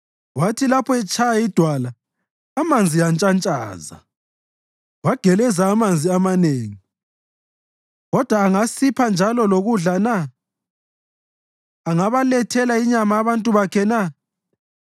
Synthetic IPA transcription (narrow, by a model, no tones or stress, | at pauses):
watʰilapʰɔɛt͡ʃʰajaid̥ʱwala | amand͡zʱijant͡ʃʼant͡ʃʼa̰ːza̰ | waɡ̥ʱɛlɛzaːmand͡zʱiamaneːŋi | ɣɔd̥ʱwaːŋasipʰand͡ʒʱalɔloɣuɮana | ŋaβalɛtʰɛlaiɲamaːβantʼuβakʰɛna